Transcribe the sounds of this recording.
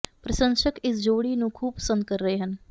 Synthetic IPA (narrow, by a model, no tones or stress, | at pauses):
pɾəʃə̃ŋʃəkɪsd͡ʒoːɽinũːkʰuːb̚pə̥sə̃nd̪̚kəɾːəɦeɦən